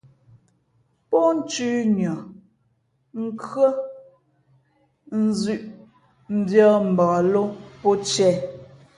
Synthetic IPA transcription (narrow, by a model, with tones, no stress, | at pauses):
pɔ˦n̩˦t͡ʃʉː˦ɲɔ˨ | ŋ̩˦kɰə˦ | n̩˦zʉ˦˨ʔ | m̩˨bjɔ˦m̩˨bɔ˨lo˦pɔ˦t͡ʃɛ˦˨